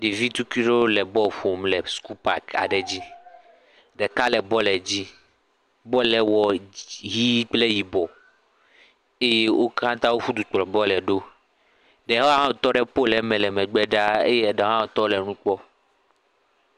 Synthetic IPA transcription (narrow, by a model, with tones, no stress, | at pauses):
ɖi˨vi˦t̪u˦ki˦ɖo˦lɛ˨bɔ˦ɸo˨mlɛ˨sku˦pa˨ka̰˨ɖɛ˨d͡ʑi˦ | ɖɛ˨ka˦lɛ˨bɔ˦lɛ˨d͡ʑi˦ | bɔ˦lɛ˨wɔ˨ɦi˦k͡ple˦ji˨bɔ˨ | e˦je˦wʔo˦kã˦t̪a˦wo˦ɸu˦d̪u˨k͡pɔ˨bɔ˦lɛ˨ɖo˦ | ɖɛ˨ɦɔ˦a˦ɦã˦o˨t̪ɔ˦ɖɛ˦po˦lɛ˨mɛ̃˨lɛ˨mɛ̃˨ɡ͡bɛ˦ɖa˦ḛ˦jɛ˦˨ɖɛ˨ɦã˦wo˨t̪ɔ˦lɛ˨nũ˦k͡pɔ˦